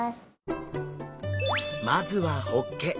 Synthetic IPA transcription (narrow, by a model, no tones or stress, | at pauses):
s | mazɨβahokːe